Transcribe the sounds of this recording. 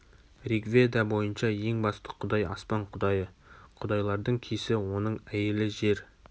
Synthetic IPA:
rikvʲe̞d̪ɑbo̞jənʃɑje̞ŋbɑst̪ə̥qʰʊd̪ɑjɑ̰spɑɴqʰʊd̪ɑjəqʰʊd̪ɑjlˠɑɾd̪əɴkʲʰesɪwo̞nəɴæjelɪʒe̞ɾ

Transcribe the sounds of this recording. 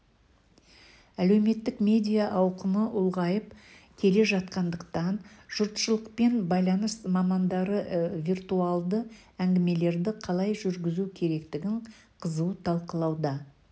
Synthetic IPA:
æle̞wme̞t̪ːɪkmʲe̞d̪ʲijaʔɑwqəməʔʊlˠʁɑjəp | kʲʰe̞le̞ʒɑt̪qɑnd̪əqt̪ɑnʒ̥ʊɾt̪ʃəlˠəqpe̞nbɑjlˠɑnəsmɑmɑnd̪ɑɾəvʲijrt̪uɑlˠd̪ə | æŋɡʲɪme̞le̞ɾd̪ɪqʰɑlˠɑjʒʏɾɡʲɪzukʲʰe̞ɾe̞kt̪ɪɡʲɪɴ | qʰəzut̪ʰɑlˠqəlˠɑwd̪ɑ

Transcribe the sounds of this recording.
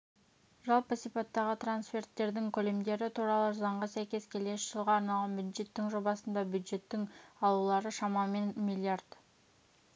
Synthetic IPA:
ʒɑlˠpəsijpat̪ːɑʁət̪ɾanspʲe̞rt̪ːe̞ɾd̪ɪŋkʲʰɵle̞md̪e̞ɾɪt̪ʰuɾɑlˠəzɑɴʁɑsæjkʲe̞skʲʰe̞le̞ʃɪʒ̥əlˠʁɑːɾnɑlˠʁɑnbjud̪ʒe̞t̪ːɪŋʒo̞bɑsənd̪ɑbʲjud̪ʒe̞t̪ːɪŋɑlˠulˠɑɾəʃɑmɑme̞nmilʲˠiard̪̥

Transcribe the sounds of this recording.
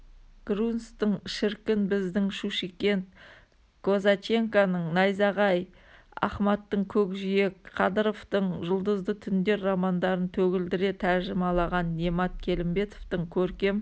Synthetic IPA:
ɡ̥ɾunst̪əɴʃɪɾkʲɪnbɪzd̪ɪŋʃuʃikʲe̞nt̪̚ | ko̞zat͡ʃe̞ŋkanəɴnɑjzɑʁɑj | ɑ̰χmɑt̪ːəɴkʲʰɵkʒije̞kqʰɑd̪əɾoft̪əɴʒəlˠd̪əzd̪ət̪ʰʏnd̪e̞ɾːɑmɑnd̪ɑɾənt̪ʰɵɡʲɪld̪ɪɾe̞t̪ʰæɾʒɪmɑlˠɑʁɑnːemɑt̪̚kʲʰe̞lɪmbe̞t̪ovt̪əŋkʲʰɵɾkʲe̞m

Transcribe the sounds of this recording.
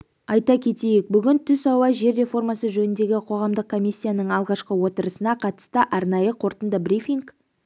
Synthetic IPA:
ɑjt̪ɑkʲʰe̞t̪e̞jek̚bʏɡʲɪnt̪ʰʏsɑwɑʒe̞ɾːe̞fo̞rmɑsəʒɵnɪnd̪e̞ɡʲɪqʰo̞ʁɑmd̪əq̚kʰːo̞mʲijsʲːijanəɴɑlˠʁɑʃqəwo̞t̪əɾəsənɑqʰɑt̪ə̥st̪əʔɑɾnɑjəqʰo̞ɾt̪ənd̪əbrʲifʲiŋk

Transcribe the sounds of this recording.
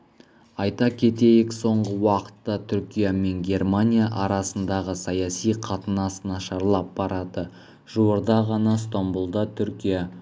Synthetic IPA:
ɑjt̪ɑkʲʰe̞t̪e̞jɪkso̞ɴʁəwɑqə̥t̪ːɑt̪ʰʏɾkʲijame̞ŋɡʲe̞rmanʲijaʔɑɾɑsənd̪ɑʁəsɑjɑsijqʰɑt̪ənɑsnɑʃɑɾlˠɑp̚b̥ɑɾɑd̪ə | ʒ̥uwoɾd̪ɑʁɑnɑst̪ombulˠd̪ɑt̪ʰʏɾkʲija

